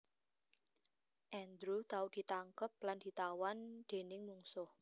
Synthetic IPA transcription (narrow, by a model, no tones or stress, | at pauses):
ʔɛnd̪ɾut̪aud̪̥i̤t̪aŋkəp̚land̪̥i̤t̪awand̪̥e̤nɪŋmuŋsʊh